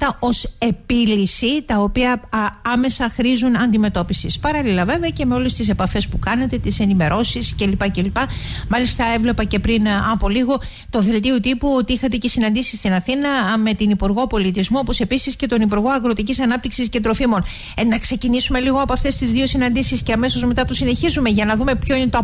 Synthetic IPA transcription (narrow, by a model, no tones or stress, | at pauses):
t̪ɐo̞se̞pilisit̪ɐo̞piɐɐme̞sɐxɾizunɐnd̪ime̞t̪o̞pisispɐɾɐlilɐve̞veɐce̞me̞o̞le̞st̪is̬e̞pɐfe̞spukɐnet̪e̞t̪ise̞nime̞ɾʔo̞sisce̞lipɐce̞lipɐmɐlist̪ɐe̞vle̞pɐce̞pɾinɐpo̞liɣo̞ | t̪o̞ðe̞lt̪iot̪ipuo̞t̪iixɐt̪e̞cesinɐnd̪isi̥st̪inɐθinɐme̞t̪inipuɾɣo̞po̞lit̪izmuopo̞se̞pisisce̞t̪o̞nip̬uɾɣo̞ɐɣɾo̞t̪icisɐnɐp̚t̪iksisce̞t̪ɾo̞fimo̞n | nɐkse̞cinisume̞liɣoɐpoɐft̪e̞st̪izðio̞sinɐnd̪isisceɐme̞so̞zme̞t̪ɐt̪osine̞çizume̞ʝɐnɐðume̞pçoine̞t̪o